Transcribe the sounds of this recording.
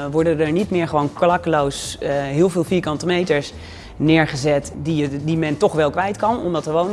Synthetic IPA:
ʋɔɹdədəɹnitmɪːɹχəʋownklɑkəlowsɦɪːlˠvɪːlˠfiːɹkɑntəmejtəɹs | nɪːɹχəzɛtdidimɛntɔχʋɛlˠkʋɛjtkɑnɔ̰mdɑtəɹʋown

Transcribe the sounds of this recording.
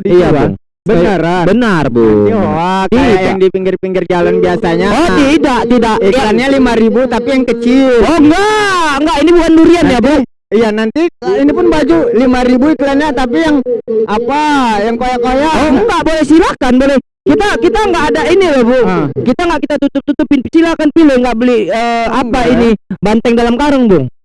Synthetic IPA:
diijaba̰ŋ | bəaɾbənarbṵaioakijaŋdipiŋɡɪrpiŋɡɪrd͡ʒalanbiasaɲaot̪idaʔt̪idaʔiklanɲalimaɾibut̪apijaŋkət͡ʃiloŋɡaŋɡaʔinibukanduɾianjabʊ | ijanant̪iinipʊnbad͡ʒulimaɾibuiklanɲat̪ap̬ijaŋapajaŋkojakojaɔkaʔbolɛhsilakanbolɛh | kit̪akit̪aŋɡaʔːdainilohbʊkit̪aŋɡaʔkit̪at̪ut̪ʊp̚t̪ut̪ʊpinpinsilakanpilɪhŋɡaʔbolɪhəːapainibant̪ɛŋdalamkaɾəŋbʊŋ

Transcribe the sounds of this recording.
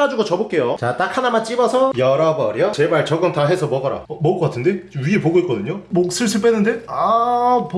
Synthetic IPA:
ad͡ʑuɡot͡ɕʌbok͈e̞jot͡ɕat͈akʰanamat͡ɕ͈ibʌsʰʌjʌɾʌbʌɾjʌt͡ɕe̞maɭt͡ɕʌɡɯntaɦe̞sʰʌmʌɡʌɾa̰ʌmʌk͈ʌk͈atʰɯnde̞ɥiepoɡoik͈ʌdɯɲomok̚s͈ɯɭs͈ɯpʰenːɯnde̞ap

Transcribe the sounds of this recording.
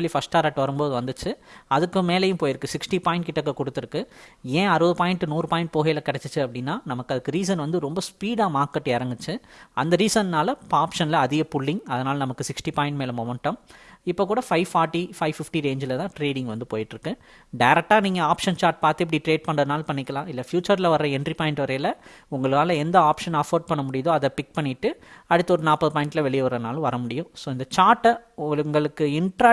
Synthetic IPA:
lːifɐsʈaːɾɐʈːʋɐɾɯmboːðɯʋɐnd̪ɯt͡ʃːɯɐðɯkːɯmeːlɐjʊ̃mpoːjɪɾɯkːɯsɪksʈipaːɪɳʈkɪʈːɐkːɐkɔɽɯt̪ːɯɾɯkːɯẽːɐɾɯʋɐðɯpaːjɪɳʈɯnuːɾɯpaːjɪɳʈ̚poːɣɐjlɐkɪɽɛt͡ʃːɯt͡ʃːɯɐpːɐɽɪnːaːnɐmɐkːɐðɯkːɯɾiːs̬ɐnʋɐnd̪ɯɾɔmbɐspiːɽaːmaːɾkːɐʈːɪɾɐŋɡɯt͡ʃːɯɐnd̪ɐɾiːsɐnnaːlɐaːpʂɐnlɐɐðɪɣɐpʊɭːɪŋɐðɐnaːlɐnɐmɐkːɯsɪksʈipaːɪ̃ɳʈmeːlɐmɔmɐɳʈːɐmɪpːoːkːuːɽɐfɐɪʋfaːɾʈːifɐɪʋfɪfʈiɾeːɲd͡ʒɪlɐt̪ãːʈɾeːɽɪŋɡʋɐnd̪ɯpo̰ːjɪʈːɪɾɯkːɯ | ɖɐjɾɛk̚ʈːaːniːŋɡɐaːpʂɐnt͡ʃaːɾʈ̚paːɾt̪ɯɛp̬ːɐɽiʈɾeːɖ̚pɐɳɖrɐðɯnaːlpɐɳːɪkːɐlãːɪlːɐfjuːt͡ʃːɐɾlɐʋɐɾɾɐɛndripaːɪɳʈʋɐɾɐjɪlɐʊŋɡɐɭɯkaːlɐɛnd̪ɐaːpʂɐnɐfɐɾɖ̚pɐɳːɐmʊɽɪjɐðoːɐðɐpɪk̚pɐɳːɪʈːɯɐɽɯt̪ːɐɔɾɯnaːpːɐðɯpaːɪɳʈɪlɐʋɛɭɪjɐʋɐɾɐnaːlʊ̃ʋɐɾɐmʊɽɪjʊ̃soːɪnd̪ɐt͡ʃaːɾʈːɐʊŋɡɐɭɯŋɡɐɭɯkːɯɪɳʈɾaː

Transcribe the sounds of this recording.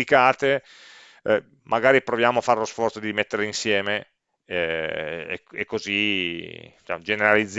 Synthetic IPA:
likaːt̪e | mʔaɡaːɾipɾovjaːmoafːaɾelosfɔrt̪sod̪iɾimet̪ːeɾeinsjɛːme | ekːozi | t͡ʃa̰d͡ʒeneɾalid̪z

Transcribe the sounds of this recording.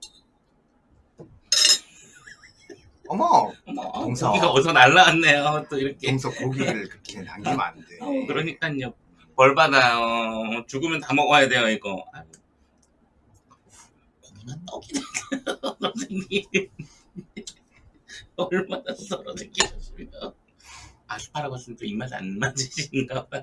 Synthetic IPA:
ʌmaʌmaŋɡiɡaosʰʌnaɭːawanːejoʌt͈oiɾʌkʰeŋsʰʌkoɡiɡɯɭkɯɾʌkʰenaŋɡima̰ndeʌkɯɾʌɲik͈aɲɲʌ | pʌɭbadaot͡ɕuɡɯmjʌntamʌɡʌjade̞jʌiɡʌa | koŋmant͈ʌɡidesʰɡʌsʰeŋɡin | ʌɭmanasʰʌɾosʰeŋɡid͡ʑʌs͈imido | asʰɯ̥pʰaɾaɡoɦas͈ɯmʌnt͈oimasa̰nmad͡ʑiɕinɯnɡaa

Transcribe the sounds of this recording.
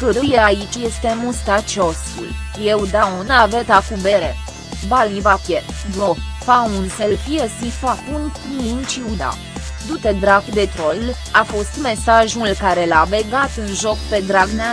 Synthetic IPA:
kɨɾujeait͡ʃʲje̞st̪e̞must̪at͡ʃosṵljewd̪aunavət̪akubeɾe | balnivapjed̪ofaunselfiesipapunt̪nint͡ʃiud̪a̰ | d̪ut̪ed̪ɾakd̪et̪ɾol | afo̞st̪me̞saʒulkaɾe̞laveɡat̪ɨnʒo̞kpe̞d̪ɾaɡnea

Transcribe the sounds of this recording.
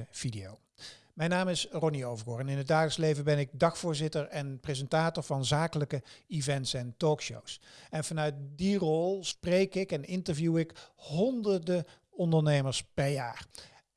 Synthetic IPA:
əv̥idejo̰w | mɛjnaːmɪsrɔniowvəɡoːrənɪnɦəd̚daːɣləkslejvəbɛnɪɡ̚dɑχfʊːɹzɪtəɹɛnprezɛntaːtoɹvɑnzaːkələkəivɛntsɛntɔːkʃo̰wsɛnvɑnœɥt̚dirɔlˠsprejkɪkɛnɪntəɹvjuɪkɦɔndəɹdə | ɔndəɹnejməɹspɛɹjaːr

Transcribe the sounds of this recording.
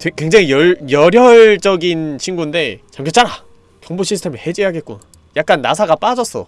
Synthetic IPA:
t͡ɕekwe̞ŋd͡ʑaŋijʌjʌɾjʌɭd͡ʑ͈ʌɡint͡ɕʰinɡunde̞t͡ɕʌŋkʰʌt͡ɕ͈aɾa | kjʌŋboɕʰisʰtʰemɯɭhe̞d͡ʑeɦaɡet̚k͈ona | jak͈̚anːasʰaɡap͈ad͡ʑʌs͈ʌ

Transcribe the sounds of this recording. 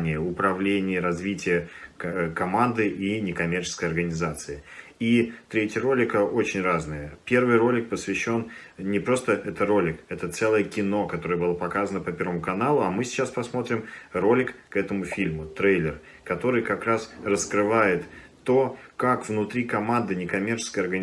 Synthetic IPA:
nʲɪjəʊpɾɐvlʲenʲɪjəɾɐzvʲitʲɪjə | kɐmand̪ɨʔinʲɪkɐmʲert͡ɕɪskəjɐrɡənʲɪzat̪sɨɪit̪ɾʲetʲɪjəɾo̞lʲɪkəʔo̞t͡ɕɪnʲraznɨjəpʲe̞rvɨjɾo̞lʲɪk̚pəsvʲɪɕːo̞nnʲɪpɾo̞st̪əʔɛt̪əɾo̞lʲɪkɛt̪ət̪sɛlˠəjəkʲɪno̞kɐt̪o̞ɾɨjəbɨlˠapɐkazənəpəpʲe̞rvəmʊkɐnalˠʊɐmɨsʲɪ̥t͡ɕːaspɐsmo̞t̪ɾʲɪmro̞lʲɪkkːɛt̪əmʊfʲilʲmʊt̪ɾejlʲɪr | kɐt̪o̞ɾɨjkɐkɾasrəskɾɨvajɪt̪t̪ːo̞kakvnʊt̪ɾʲikɐmand̪ɨnʲɪkɐmʲe̞rt͡ɕɪ̥skəjɐrɡənʲ

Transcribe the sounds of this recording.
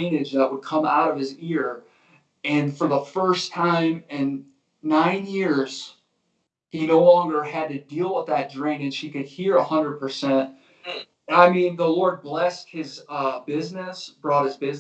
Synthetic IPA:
ɪ̃nɪd͡ʒðəʔ̚wəd̚kʰʌ̃ma̰ʊɾʌv̥ɨzɪɹ | ɨ̃nfə˞ðəfɜ˞stʰãɪ̃mɪ̃nː | ãɪ̃njɪɹz̥ | hinoʊlɔ̃ŋɡə˞ɨd̚tɨdilˠwəðɨt̚dɹẽɪ̃nɨd̥ʃikɨd̚hiɹəhʌ̃ndɹəd̚pʰə˞sɛ̃nt̚ | aɪmĩnðəlɔɹd̚blɛst̚hɪzʌbɪznɨsb̥ɹɔt̚hɨzbɪz

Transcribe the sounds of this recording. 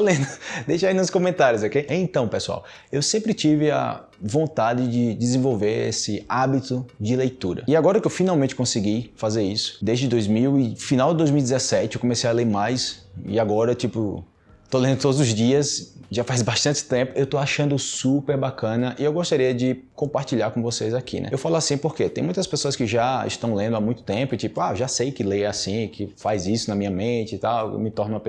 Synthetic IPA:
olẽnd̪ʊd̪ejʃɐinũskõmẽnt̪aɾjʊzakeʔeẽt̪ɐ̃w̃pesua̰w | ewsẽmpɾɪt͡ʃivɪɐ̰ | võnt̪ad͡ʒɪd͡ʒɪd͡ʒɪzẽvowveɾḛsɪabit̪ʊd͡ʒɪlejt̪uɾɐ̰ɪaɡɔɾɐkɪewfinawmẽt͡ʃɪkõsɪɡifazeɾisʊ̥d̪ezd͡ʒɪd̪ojzmiwɪfinawd͡ʒɪd̪ojzmiuwjdɪzɛsɛt͡ʃɪewkõmesejaleɾmajsɪ̰aɡɔɾɐt͡ʃipʊ | t̪olẽnd̪ʊt̪od̪ʊzʊzd͡ʒiɐsʒafajzbaʃt̪ɐ̃t͡ʃɪ̥t̪ẽpʊewt̪oaʃɐ̃nd̪ʊsupeɾbakɐ̃nɐʔɪewɡoʃt̪aɾiɐd͡ʒɪkõpaɾt͡ʃiʎaɾkõvosejzakʰḭnɛ̰ewfalʊasĩpoɾket̪ẽj̃mũj̃t̪ɐspesoɐskɪʒaɪ̰ʃt̪ɐ̃w̃lẽnd̪ʊamũj̃t̪ʊ̥t̪ẽpʊɪt͡ʃipʊaʒasejkɪleasĩkɪfajzisʊnɐmĩɲɐmẽt͡ʃɪt̪aw̰mɪt̪ɔɾnɐ̃w̃ɐpe

